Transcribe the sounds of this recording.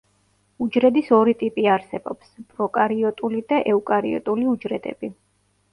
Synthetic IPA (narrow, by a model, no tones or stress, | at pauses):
ud͡ʒɾɛd̪isɔɾit̪ʼipʼiaɾsɛbɔpspʼɾɔkʼaɾiɔt̪ʼulid̪aʔɛukʼaɾḭɔ̰t̪ʼuliud͡ʒɾɛd̪ɛ̰bi